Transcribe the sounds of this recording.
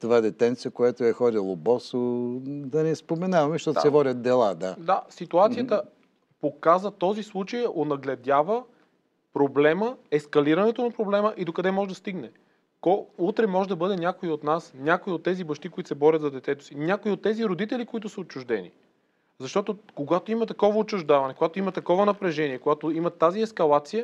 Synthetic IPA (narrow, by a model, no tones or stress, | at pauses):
t̪ovad̪ɛt̪ɛnt̪sijəkojat̪oɛxɔd̪ʲilˠobɔsod̪ɐnɛspomɛnavɐmɛʃt̪ɔt̪sɛvɔd̪ʲət̪̚d̪ɛlˠad̪ad̪asit̪uat̪sijət̪ə | pokazvət̪ɔzislˠut͡ʃəjonɐɡlɛd̪ʲjavə | pɾoblɛməɛskɐliɾɐnɛt̪onɐpɾoblɛməʔid̪okɐd̪ɛmɔʒɛd̪ɐst̪iɡnɛ | kɔut̪ɾɛmɔʒɛd̪ɐbɤd̪ɛnʲakoiot̪nasnʲakoiot̪ːɛzibɐʃt̪ikoʊit̪sɛbɔɾʲət̪zɐd̪ɛt̪ɛt̪ʊ̥sinʲakoiot̪ːɛziɾod̪it̪ɛlikoit̪ʊsəot͡ʃːʊʒd̪ɛnḭ | zɐʃt̪ɔt̪okoɡat̪oimɐt̪ɐkɔvɐot͡ʃːʊʒd̪avɐnɛkoɡat̪oimɐt̪ɐkɔvɐnɐpɾɛʒɛniɛkoɡat̪oimɐt̪ːaziɛskɐlˠat̪sijə